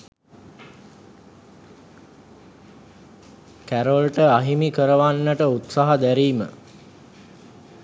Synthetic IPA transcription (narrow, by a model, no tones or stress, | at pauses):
kæɾolʈəaɦimikəɾəʋanːəʈəut̪saɦad̪æɾiːmə̰